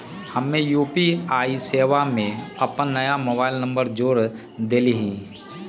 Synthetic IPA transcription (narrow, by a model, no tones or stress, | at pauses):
hɐmːẽjuːpiaːiseːʋamẽɐpənːɐjamoːbaːɪlnə̃mbəɾd͡ʒoːɾ | d̪eːliɦĩ